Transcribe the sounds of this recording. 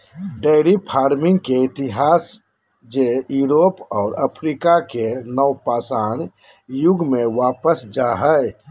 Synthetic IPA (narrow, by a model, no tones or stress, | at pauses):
ɖeɪɾipʰaːɾmɪ̃ŋɡkeɪt̪ɪɦaːs | d͡ʒejuːɾoːpɔːɾəpʰɾiːkakenəwpaːsaːn | jʊɡmẽʋaːpəsd͡ʒaːɦəj